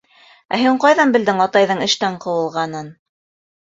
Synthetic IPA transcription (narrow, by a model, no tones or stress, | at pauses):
æ̰ɦɘɴqɑjðɑnbɘ̆ld̪ɘŋɑt̪ɑjðɤɴɘ̆ʃt̪æɴqɤ̆wɤ̆lˠʁɑnɤn